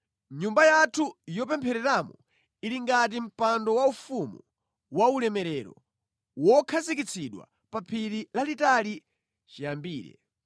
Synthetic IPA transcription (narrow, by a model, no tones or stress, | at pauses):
ɲumbajatʰujɔp̬ɛmpʰɛɾɛɾamɔ | iliŋɡat̬im̩pandɔwaufumu | waulɛmɛɾɛɾɔ̰ | wɔkʰazikit͡sʰiɗwa̰ | papʰiɾilalitali | t͡ʃijambiːɾɛ̰